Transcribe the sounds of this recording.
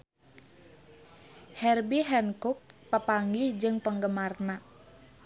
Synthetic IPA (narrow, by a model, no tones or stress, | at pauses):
hɛrbiɦɛnkuk̚pəpaŋɡihd͡ʒɨŋpəŋɡəmarna